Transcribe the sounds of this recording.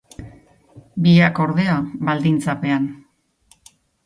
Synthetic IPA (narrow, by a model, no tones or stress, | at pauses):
biako̞ɾðe̞aβald̪int͡sape̞an